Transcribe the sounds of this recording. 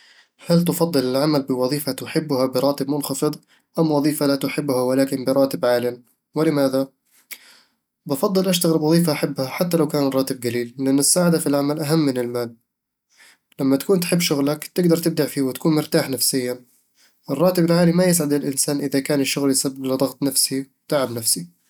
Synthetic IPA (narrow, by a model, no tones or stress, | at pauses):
halt̪ʊfɑðd̪ˤːɨlɪlʕamalbɪwɑðˤiːfat̪ʊħɪbːʊhabɪɾˤɑːt̪ɪbmʊnxɑfɨðˤ | ʔamwɑðˤiːfalat̪ʊħɪbːʊhawalaːkɪmbɪɾˤɑːt̪ɪbʕaːlɪn | wɪlɪmaːða | bɪfɑðˤːɨlʔaʃt̪aɣɾɪbwɑðˤiːfaʔaħabːhaħat̪ːalawkaːnrˤɑːt̪ɪb̚ɡaliːlːɪʔanːɪsːaːʕɪd̪afilʕamalʔaɦamːɪnɪlmaːl | lamːat̪ḁkuːnt̪ħɪbːʃʊɣlakt̪ɪɡd̪ɑɾˤt̪ɪb̚d̪aʕfiːwɪt̪ḁkuːnmʊɾt̪aːħnafsɪjːan | ʔɪrˤːɑːt̪ɪbɪlʕaːlimajɪs̬ʕad̪ɪlʔɪnsaːnʔɪðakaːnɪʃːʊɣljɪsabːɪblɪd̪ˤɑɣt̪ˤnafsiwt̪aʕabnafsi